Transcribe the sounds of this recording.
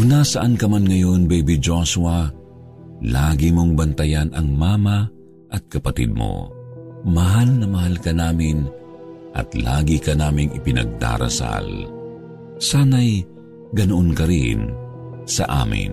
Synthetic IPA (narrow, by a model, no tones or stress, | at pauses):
ʊnasɐʔankɐmanŋɐjo̞nbɛbɪd͡ʒosuɐ | laːɡimoŋbɐnt̪ɐjanɐŋmaːmɐ | ʔɐt̪̚kɐpɐt̪ḭd̪̚mo̰ | mɐɦalnɐmɐhalkɐnaːmɪnʔɐ̰t̪la̰ːɡikɐnaːmɪŋɪpɪnɐ̰ɡ̚d̪a̰ːɾɐ̰sa̰l | saːnɐj | ɡɐnoʔonkɐɾinsɐʔa̰ːmɪ̰n